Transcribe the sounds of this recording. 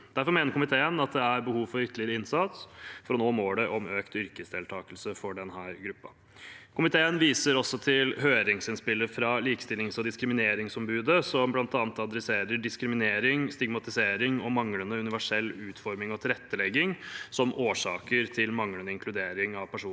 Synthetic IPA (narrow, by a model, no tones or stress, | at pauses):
d̪̥æɾfɔɾmeːnəɾkʰʊmɪt̪ʰeːənɑt̪̚d̪ɛæɾbəhuːʋfɔɾʏt̪ʰːəlɪəɾəɪnsɑt̪sfɔɾɔnoːmoːɖɛʔɔmøːkt̪ʏɾkəsd̪eːlt̪ʰɑːkəlsəfɔɖɛnɦæːɾɡɾʉpːɑ̰ | kʰʊmɪt̪ʰeːənʋiːsəɾɔsːɔt̪ʰɪlhøːɾɪŋsɪnspɪlːəfɾɑliːkst̪ɪlːɪŋsɔd̪ɪskɾɪmɪneːɾɪŋsɔmbʉːd̪əsɔmblɑnt̪ɑːnət̪ɑd̪ɾɛseːɾəɖɪskɾɪmɪneːɾɪŋst̪ɪɡmɑt̪ɪseːɾɪŋɔmɑŋlənəʉnɪʋæʂɛlːʉːt̪fɔɾmɪŋɔt̪ʰɪlɾɛt̪ːəlɛɡːɪŋsɔmʔoːʂɑːkəɾt̪ʰɪlmɑŋlənəɪŋkʰlʉd̪eːɾɪŋɑʋpʰæʂuː